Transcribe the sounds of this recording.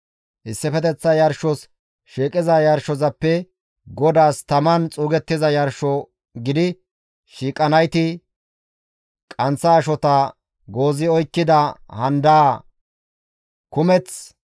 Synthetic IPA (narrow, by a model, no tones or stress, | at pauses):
ʔɪsːɪfɛt̪ɛt͡sːɐjɐɾʃɔs | ʃiːkʼɪzɐjɐɾʃɔzɐpːɛ | ɡɔd̪aːst̪ɐmɐnt͡sʼuːɡɛt̪ːɪzɐjɐɾʃɔ | ɡɪd̪ɪ | ʃiːkʼːɐnɐjt̪ɪ | kʼɐnt͡sːɐːʃɔt̪ɐ | ɡoːzɪɔjkːɪd̪ɐhɐnd̪aː | kʊmɛt͡s